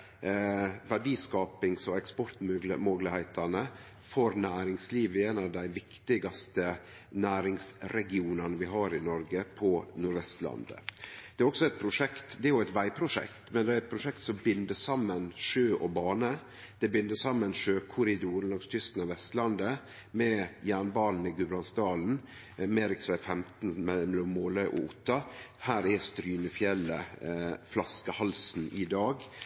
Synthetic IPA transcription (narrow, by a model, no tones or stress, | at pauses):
ʋæɖiːskɑːpɪŋsɔɛkspɔɾt̪mɡlə̰mɔɡlɪhæɪt̪ʰɑnə | fɔɾnæːɾɪŋsliːʋəeːnɑʋd̪æɪʋɪkt̪ɪɡɑst̪ə | næːɾɪŋsɾɛɡɪuːnɑnəʋɪɦɑːɾɪnɔɾɡəpʰɔnʊɾʋɛst̪lɑ̰nd̪ə̰d̪̥ɛæɾɔksɔɛt̪̚pʰɾʊʂɛkt̪d̪ɛæɾjʊæɛt̪ʋæɪpʰɾʊʂɛ̰kt̪mɛnd̪ɛæɾɛt̪̚pʰɾʊʂɛkt̪sɔmbʏnd̪əsɑmːənʂøːʔɔbɑːnə | d̪̥ɛbɪnd̪əsɑmːənʂøːkʰʊɾɪd̪uːɾnɔɡst̪ʰʏst̪n̩ɑʋɛst̪lɑnd̪ə | mɛjæːɳbɑːln̩ɪɡʉbɾɑnsd̪ɑːln̩ | meːɾɪksʋæɪfɛmt̪n̩mɛmɛlɔmːoːləʔɔ̰ʔʊt̪ːɑhæːɾæst̪ɾyːnəfjɛlːəflɑskəhɑlsn̩ʔɪd̪ɑːɡ